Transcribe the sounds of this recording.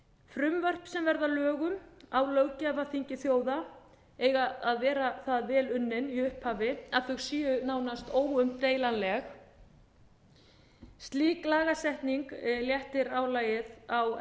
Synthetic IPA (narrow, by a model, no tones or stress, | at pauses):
fɾʏmvœr̥psɛmvɛɾðalœːɣʏmawlœɣcavaθiɲcɪθjoːwða | eːjɣaːðvɛːɾaθaðvɛːlʏnːɪniʏhphaːvɪaðθʏɣsiːʏnaːwnast̪oːwʏmt̪eːjlanlɛx | st̪liːklaːɣasɛht̪niŋkljɛht̪ɪɾawlaːjɪðaw